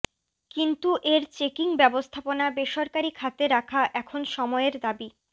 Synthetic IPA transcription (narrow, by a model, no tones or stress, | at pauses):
kint̪uʔeɾt͡ɕekiŋbɛbost̪ʰaponabeʃɔɾkaɾikʰat̪eɾakʰaʔɛkʰonʃɔmɔeeɾd̪abi